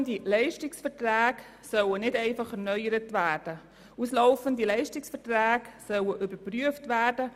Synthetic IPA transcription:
ndilɛɪʃtɪksfɛrtræːɡ | sœwənɪdɛɪfɑχɛɾnœʏəɾətvæːrd̥ə | usloʊfəndilɛɪʃtɪksfɛtræːksœwəʔybəɾpryəftʋæːrd̥ə

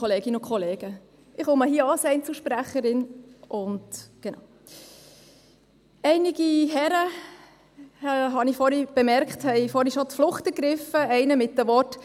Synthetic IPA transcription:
ɔleːɡ̥ɪnʊkʰɔleːɡ̥ə | ɪχomɑhiəɑsɛɪnt͡suʃpɾæχəɾɪnʔʊndɡ̥ena̰ʊ | ɛɪnɪɡ̥iɦɛɾə | ɦɑnifɔɾhib̥emɛɾkχthɛɪfɔɾiʃotflʊχtɛɾɡ̥ɾɪfəɛɪnəmɪt̚dəʋɔt

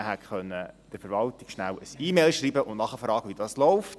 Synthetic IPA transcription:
ɦætχœnːəd̥ɪɾfəɾʋɑltɪɡʃnæwəsiːmelʃɾiːbəʔʊnnɑχəfɾɑːɡəʋidɑːslɔʊft

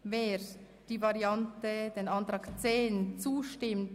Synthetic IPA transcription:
veːɾ | d̥iːvɑɾiɑntəd̥eːnɑntɾɑːɡt͡seːnt͡suːʃtɪmt

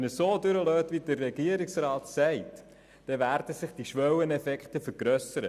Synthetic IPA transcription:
nəsoːdʏɾəløːtʋidərːɛɡiəɾiksrɑːtsɛɪt | d̥ɛʋæːɾd̥əsɪχd̥iʃʋœwənɛfɛkχtəfəɾɡɾœsəɾə

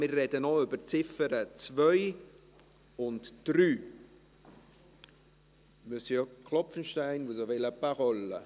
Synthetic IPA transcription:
mɪrːɛdənoʏbərt͡sɪfəɾət͡svœʏ | ʊntd̥ryː | mysəjɔkʰlɔpfənʃtaɪnvuzovɛləpaʁɔlːə̰

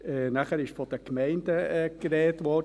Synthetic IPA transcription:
ɛnæχəɾɪʃfɔd̥əkmɛɪndəɛkɾɛːtʋɔd

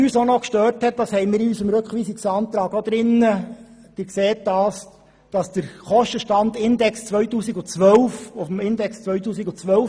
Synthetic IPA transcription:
yːsonɔkʃtøːɾthɛt̚d̥ɑshɛɪmɪːɾyːsəmɾɵkχʋiːsiksɑːnt̪ɾɑːɡod̪̥ɾɪnːəd̥ɪːɾkseːt̚d̥ɑːs | d̥ɑsd̥əɾχɔʃtəʃtɑndɪnd̪ɛkst͡sʋœʏtuːsiɡʊt͡sʋœlfʊfəmɪndɛkst͡sʋœɥtuːsiɡʊt͡sʋœf

